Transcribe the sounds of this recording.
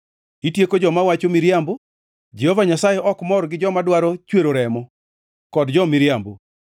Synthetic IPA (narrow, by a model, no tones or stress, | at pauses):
itjekod͡ʒɔmawat͡ʃomiɾjambo | d͡ʒehovaɲasajeʔɔkmɔɾɡɪd͡ʒɔmadwaɾot͡ʃweɾoɾɛmɔ | kɔdd͡ʒɔmiɾjambo̰